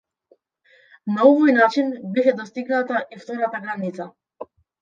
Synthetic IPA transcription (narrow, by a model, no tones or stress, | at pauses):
naɔvɔjnat͡ʃinbɛʃɛd̪ɔst̪iɡnat̪aʔift̪ɔɾat̪aɡɾanit̪sa